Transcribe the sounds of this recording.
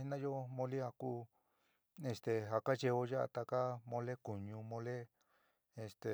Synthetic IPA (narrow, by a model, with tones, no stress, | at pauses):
i˦nã˦jo˦mõ˧li˦a˧kuː˦ | e˧st̪e˨ɦa˧ka˦t͡ʃe˧o˧ja˦ʔa̰˧t̪a˧ka˦mõ˧le˦ku˨ɲũ˧mõ˧le˦ | e˧˨st̪e˨